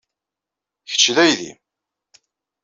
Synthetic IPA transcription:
çə̥t͡ʃːðæjðḭ

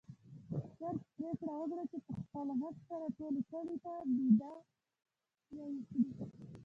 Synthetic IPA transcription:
saɾt̪̚pɾekɽawəkɽat͡ʃepəxpəlɦaɡsaɾaʈolosaɽit̪ab̪id̪a | jawikɽi

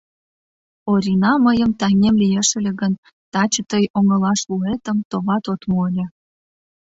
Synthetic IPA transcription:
oɾʲinɑməjəmt̪æŋʲemlʲijeʃĕlʲĕɣən | t̪ɑt͡ɕət̪əjoŋə̆lɑʃluet̪əmt̪oβɑt̪ot̪moəlʲĕ

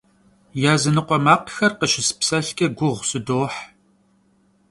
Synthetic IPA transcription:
jaːzɨnɨqʷɔmaːqxɐrqəʃɪspsɐɬkʲʼɐɡʷʊʁʷsɨdoːħ

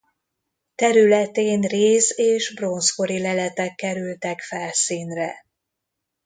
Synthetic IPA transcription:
t̪ɛɾylɛt̪eːnreːzeːʒbro̞nsko̞ɾilɛlɛt̪ɛkːɛɾylt̪ɛkfɛlsiːnrɛ

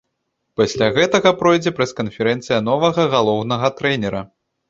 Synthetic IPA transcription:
pasʲlʲaɣɛt̪ɐɣɐpɾɔjd͡zʲɛpɾɐskɐnfʲɛɾɛnt̪sɨjɐnɔvɐɣɐɣalˠɔwnɐɣɐt̪ɾɛnʲɛɾɐ

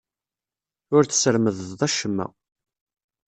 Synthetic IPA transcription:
ʊɾθə̥səɾməðəððˤæʃəmːæ̰

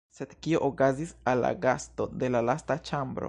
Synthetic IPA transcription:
se̞d̪kioʔokazisalːa̰ɡast̪od̪e̞lalast̪at͡ʃambɾo̰

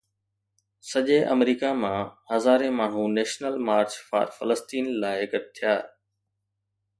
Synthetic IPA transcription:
səʄeːʔə̰mɾiːkamãːhəzaːɾẽːmaːɳ̤ũneːʃnəlmaːɾt͡ʃfa̰ːɾfələst̪iːnlaːɪɡəʈ̚t̪ʰijaː

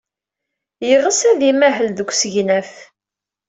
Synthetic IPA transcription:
jəʁəsæðimæɦəlðəɡʷsəʝnæf

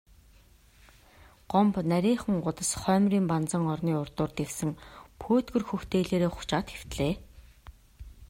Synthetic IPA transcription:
ɢ̥ɔmpnæɾʲiːŋχə̆ŋɢʊt̪ə̆sχœːmriːmpant͡sə̆ŋɔrniːʊrt̪ʊːrt̪eksɘ̆ŋpʰoːt̪ɡɵ̆rxɵwt̪eːɮeːɾeːχʊ̥t͡ɕaːt̪xew̥t̪ɮeː

